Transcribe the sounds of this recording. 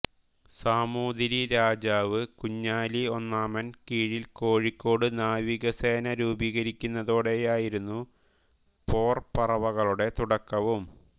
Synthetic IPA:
saːmuːðɾiɾaːd͡ʑaːʋɨkuɲːaːlio̞nːaːmɐnkiːɻilko̞ːɻikʲːo̞ːɽɨnaːʋiɣɐseːnɐɾuːbiːɣɐɾikʲːunːɐðoːɽe̞jaːjiɾunːu | po̞ːrpɐrɐʋɐɣɐɭuɽe̞t̪uɽɐkːɐʋum

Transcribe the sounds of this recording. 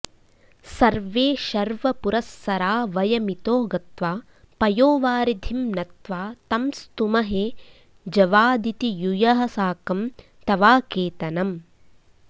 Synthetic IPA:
sɐɾʋeːʃɐɾʋɐpuɾɐsːɐɾaːʋɐjɐmit̪oːɡɐt̪ʋaː | pɐjoːʋaːɾid̪ʱimnɐt̪ʋaːt̪ɐmst̪umɐɦeː | d͡ʒɐʋaːd̪it̪ijujɐɦɐsaːkɐm | t̪ɐʋaːkeːt̪ɐnɐm

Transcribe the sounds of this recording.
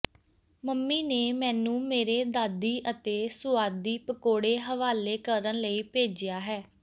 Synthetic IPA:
məmːiːneːmɛ̃ːnũːmeːɾeːd̪aːd̪iːʔət̪eːsʊaːd̪iːpəkoːɽeːɦəʋaːleːkəɾənləiːpeːd͡ʒɪjaːɦɛː

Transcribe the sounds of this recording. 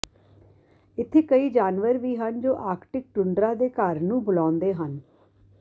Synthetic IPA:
ɪt̪ʰːeːkəiːd͡ʒaːnʋəɾʋiːɦənd͡ʒoːʔaːɾkʈɪk̚ʈʊɳɖɾãːd̪eːkəɾnũːbʊlãːnd̪eːɦən

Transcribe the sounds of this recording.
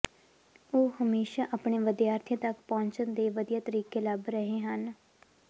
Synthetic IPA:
oːhəmeːʃaːʔaːpɳeːʋəd̪jaːɾt̪ʰijãːt̪əkpɔ̃ːɲt͡ʃənd̪eːʋəd̪ijaːt̪əɾiːkeːləbɾəɦẽːɦən

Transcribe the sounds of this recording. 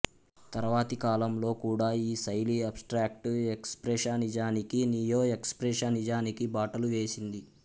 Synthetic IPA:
t̪ɐɾɐʋaːt̪ikaːlɐmlo̞ːkuːɽaːiːsɐjliɐpsʈɾaːk̚ʈekspɾeʃaːnid͡ʒaːnikiniːjoːekspɾeʂanid͡ʒaːnikibaːʈɐluʋe̞ːsind̪i

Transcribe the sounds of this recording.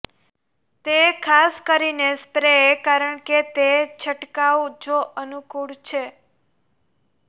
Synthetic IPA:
t̪ekʰaskəɾinespɾeekaɾəɳket̪et͡ʃʰəʈkawd͡ʒoʔənukuɽt͡ʃʰe

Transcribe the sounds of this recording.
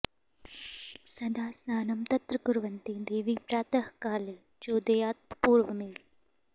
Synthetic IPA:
sɐd̪aːsnaːnɐmt̪ɐt̪ɾəkʊɾʋɐnt̪id̪eːʋiːpɾaːt̪ɐɦkaːle | d͡ʒoːd̪ejaːt̪̚puːɾʋəmel

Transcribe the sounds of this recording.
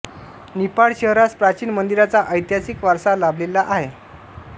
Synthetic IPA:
nipaɽɕəɦɾaspɾat͡ɕiːnmənd̪iɾat͡saʔəjt̪jasikʋaɾsalablilaʔaɦe

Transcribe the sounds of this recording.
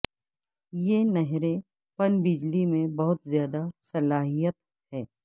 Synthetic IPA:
jenɐɦɾẽ | pɐnbɪd͡ʒlimẽbɐɦʊt̪zjaːd̪asɐlaːɦijət̪ | hɛː

